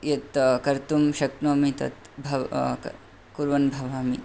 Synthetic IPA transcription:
jɐt̪kɐɾt̪umʃɐknoːmit̪ɐ̰t̪ | bʱɐ | kuɾʋɐnbʱɐʋaːmi

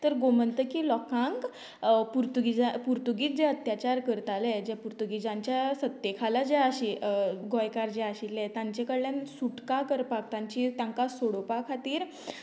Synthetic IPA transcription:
t̪əɾɡomənt̪əkilɔkãŋk | puɾt̪uɡid͡zapuɾt̪uɡiːt̪̚d͡ʑeət̪jat͡ɕaɾkəɾt̪alɛd͡ʑapuɾt̪uɡid͡ʑãɲt͡ɕjasət̪ːekʰalad͡ʑɛaɕiɡɔjkaɾd͡ʑɛaɕilɛt̪ãɲt͡ɕekəɽljansuʈkakəɾpak̚t̪ãɲt͡ɕit̪ãŋkasoɽopakʰat̪iːɾ

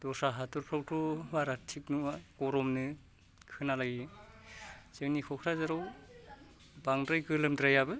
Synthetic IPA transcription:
d̥ɔsaɦatuɾpʰɾawtɔbaɾatʰiknuakɔɾɔmnɯ | kʰɯnalaɡi | zeŋnikʰɔkʰɾazaɾaw | baŋdɾajkɯlɯmdɾajabɯ

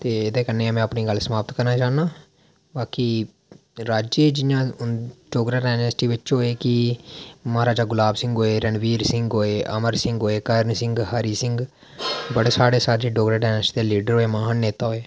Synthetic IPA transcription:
t̪eːed̪ẽːkənːeːãːmɛ̃apniːɡəlsəmaːpət̪kəɾnaːt͡ʃaːnaː | baːkiː | ɾaːd͡ʒeːd͡ʒɪjãːɖoːɡɾaːɖaːnəsʈiːʋɪt͡ʃɦoːeːkɪ | maːɾaːd͡ʒaːɡʊlaːbsɪ̃ŋɡɦoːeːɾənʋiːɾsɪ̃ŋɡɦoːeːʔə̰məɾsɪ̃ŋɡɦoːeːkəɾnsɪ̃ŋɡɦaːɾiːsɪŋɡ | bəɽeːsaːɽeːsaːɖeːɖoːɡɾaːɖaːnəsʈid̪eːliːɖəɾɦoːeːmaːaːnːeːt̪aːɦoːeː

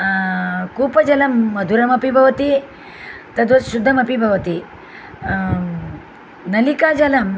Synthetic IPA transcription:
kuːpɐd͡ʒɐlɐmːɐd̪ʱuɾɐmɐpibʱɐʋɐt̪i | t̪ɐd̪ʋɐʃud̪ʱːɐmɐpibʱɐʋɐt̪i | nɐlikaːd͡ʒɐlɐm

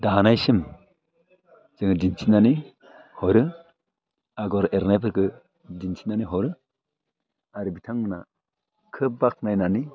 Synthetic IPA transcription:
daanajsim | z̥ɯŋɯdinsʰinani | hɔɾɯ | aɡɔɾeɾnajbɯɾkʰɯ | dinsʰinaniɦɔɾɯ | aɾɯbitʰaŋmɯna̰ | kʰɯp̚bak̚najnani

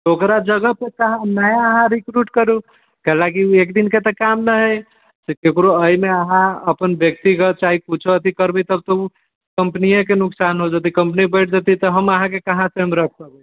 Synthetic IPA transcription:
okɾad͡ʒəɡəpekəɦãnajaəɦãɾikɾuʈkəɾu | kəɦlakiekd̪inket̪əkamnəɦej | sekekɾoəimeəɦãəpənbjək̚t̪ikət͡ʃaɦiput͡ʃʰoət̪ikəɾbit̪əb̚t̪əu | kəmpnijãkenuksanɦod͡ʒat̪ikəmpnibəɪʈ̚ʰd͡ʒat̪it̪ɔɦəməɦãkekəɦãseɦəmɾək̚ʰkəbe

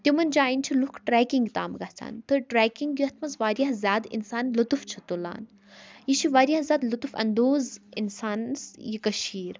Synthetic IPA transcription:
t̪ʲimɐnd͡ʒaːinʲt͡ʃʰilukʰʈɾɛːkiŋɡt̪a̰ːmɡaht͡sʰa̰ːnt̪ɨʈɾɛːkiŋɡjiɐt̪ʰmɐzʋaːɾʲjaɦzʲjaːd̪ḭnsaːnlut̪uft͡ʃʰɐt̪ula̰ːn | jit͡ʃʰiʋaːɾijaɦzʲaːd̪lut̪ufɐ̰nd̪oːzḭnsaːnsjikɐʃiːɾ

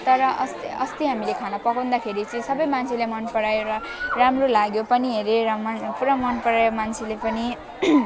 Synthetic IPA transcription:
t̪ʌɾʌʔʌst̪ʌst̪iɦamilekʰanʌpʌkaw̃nd̪akʰeɾit͡sʌ̃ĩsʌbʌjmant͡sʰilemʌnpʌɽajoɾʌ | ramrolaɡjopʌniɦeɾeɾamnpuɾʌmʌnpʌɽajomant͡sʰilepʌni

